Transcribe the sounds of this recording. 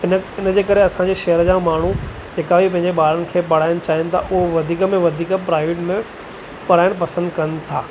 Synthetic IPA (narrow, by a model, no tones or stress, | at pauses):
ɪnəɪnəd͡ʑeːkɐɾeɐsãɲ̆d͡ʑeːʃɐɦəɾəd͡ʑãːmaːɳ̤u | d͡ʑeːkabipɐ̃ɦɪ̃ɲd͡ʑeɓaːɾəɽ̃ɪ̆kʰeːpɐɽ̤aːɪɽ̃t͡ɕaːɦɪnɪ̆t̪ʰa̰ʔʊɦoʋɐd̪ʱiːkəmẽʋɐd̪ʱiːkəpɾaːɪʋɪʈmẽ | pɐɽ̤aːɪɽ̃pɐsə̃nd̪kɐnɪt̪ʰaː